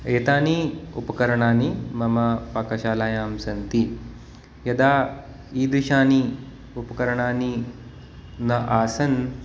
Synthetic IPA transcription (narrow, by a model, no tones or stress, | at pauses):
eːt̪aːniupɐkɐɾɐɳaːnimɐmɐpakɐɕaːlaːjaːmsɐnt̪i | jɐd̪aː | iːd̪iɕaːni | upɐkɐɾɐɳaːni | nɐʔaːsɐn